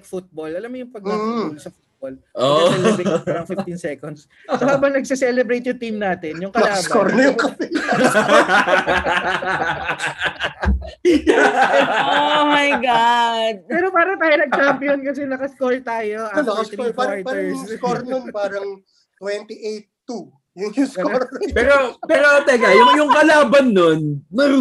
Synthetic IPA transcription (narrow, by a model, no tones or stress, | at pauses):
kfut̪̚bolɐlamːojʊŋpɐɡ̚nɐolsɐfut̪̚boloɐɛlɛpaːɾɐŋfift̪insɛkond̪sː | ohaːbɐŋnɐɡ̚sɛsɛlɛbɾejt̪jʊŋt̪imnaːt̪ɛnjʊŋkɐlaːɐsbkoɾnjʊŋkɐpɪ | omajɡad̪̚pɛːɾo̞paːɾɐŋt̪aːjonɐɡ̚t͡ʃampijonkɐs̬ɛnɐkɐskolt̪aːjoʔanɐɪpaɹt̪ɛɹskoɾnonpaːɾɐŋ | t̪wɛnt̪iʔejt̪ːu | jʊŋjʊskoɾpɛːɾopɛːɾot̪ɛɡajʊŋjʊŋkɐlaːbɐnːonːɐ